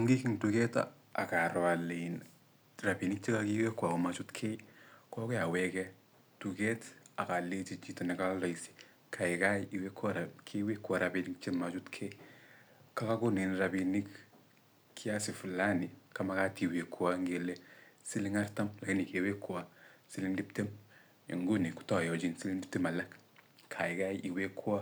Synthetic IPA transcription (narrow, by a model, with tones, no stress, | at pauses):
ŋɡi˦ki˦ŋtukɛ˦ta̰ | a˨ka˨ɾa˨len | ra˨pi˨ni˦k̚t͡ʃe˦ka˦kiwe˦kːwa˨ko˨mat͡ʃu˦tkʰe˦jkɔ˦kʊ˦ja˨wɛkɛ | tu˨kɛ˦ta˨ka˨le˦t͡ʃi˦t͡ʃi˦tɔ˨nɪ˨ka˦lɔ˨isi̥ | kʰa˨ɪ˨ka˦ji˨wekʰːaɾakʰewe˦kːwa˨ɾa˨bi˨nikt͡ʃe˦mat͡ʃu˦tkʰe˦ | ka˦ka˦ku˦ni˨nɾabi˨ni˦k | kʰːi˦a˦si˨fu˨la˦ni˨ka˦ma˦ka˦ti˨we˨kʰːwa˦ŋɡe˨le˦si˦li˦ŋa˦ɾta˦mla˨ki˦ni˨ke˨we˦kʰːwa˦si˦li˦ŋdi˦pte˦m | ḭ˨ŋɡu˦ni˨ku̥˨tɔ˦jɔ˨d͡ʒi˦nsi˦li˦ŋdi˦p̚te˦ma˨lɛ˦kkʰa˨i˨ka˦jʔi˨we˦kʰːu˦a˦